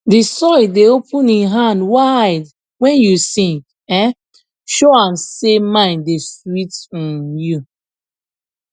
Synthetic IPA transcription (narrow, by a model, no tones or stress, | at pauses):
disɔɪdeopʰũniɦãndwaɪd | wɛ̃njusĩŋ | ɛ̃ | ʃoãmsemãɪ̃neswitɔ̃nju